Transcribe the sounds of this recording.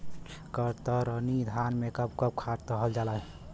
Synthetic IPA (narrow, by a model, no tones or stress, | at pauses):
kəɾt̪əɾənid̪ʱanmekəb̚kəb̚kʰaɾt̪əɦəld͡ʒalaj